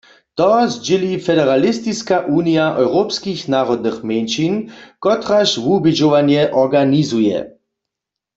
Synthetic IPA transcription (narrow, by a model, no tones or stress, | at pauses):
t̪ɔzd͡ʒɪlifɛdɛʁalist̪iskaʔuːnijaʔɔwʁopskixnaːʁɔd̪̚nɨxmenʃinkɔt̪ʁaʃvubid͡ʒoʋanjɛʔɔʁɡanizujɛ̰